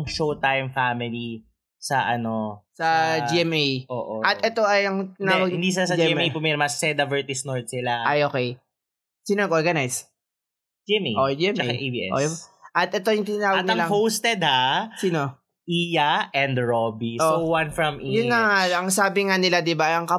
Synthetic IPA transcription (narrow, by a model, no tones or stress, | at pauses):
ŋʃowt̪ajʊmfamɪli | sɐʔɐnosɐd͡ʒiɛmʔejʔoːʔoʔɐt̪ʔɛt̪o̞ʔɐjʔɐŋt̪ɪnːwɐɡ̚ɪnd̪is̬ɪlasɐɛmejpʊmɛɾmɐsɛd̪ɐvɛɹt̪ɪsnoɹt̪̚sɪlaʔɐjʔoːkɛj | siːnɐɡʔoɹɡɐnajs | d͡ʒiɛmeʔod͡ʒiɛmɐeaʔebiʔɛ̰ʔo̰ʔɐt̪̚ʔɛt̪o̞jʊŋt̪ɪnɐnaːwɐɡt̚nɐŋlɐŋhowst̪ɛd̪hasiːno | ʔijɐʔɛnd̪ɹobiʔoʔowɐnfɹɐmʔijʊnːɐŋaɐŋsaːbɪŋanɪlad̪ɪbaɐŋkɐ